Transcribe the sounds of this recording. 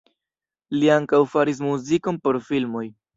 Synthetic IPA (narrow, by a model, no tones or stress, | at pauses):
liaŋkawfaɾis̬muziko̞npo̞ɾfilmo̞j